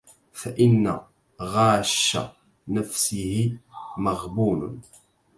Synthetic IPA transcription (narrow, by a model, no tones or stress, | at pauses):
faʔɪnːa̰ | ɣɑːʃːa̰ | nafsɪhɪmaɣbuːn̰